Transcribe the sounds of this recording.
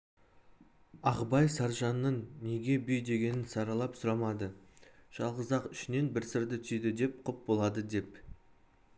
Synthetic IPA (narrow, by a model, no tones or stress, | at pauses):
ɑqbɑjsɑɾʒɑnːəɴne̞ɡʲe̞bʏjd̪e̞ɡʲe̞nɪnsɑɾɑlˠɑpsʊɾɑmɑd̪əʒ̥ɑlˠʁəzɑqʏʃɪne̞nbɪɾsɪɾd̪ɪt̪ʰʏsejd̪ɪd̪e̞p̚qʰʊp̚bo̞lˠɑd̪əd̪e̞p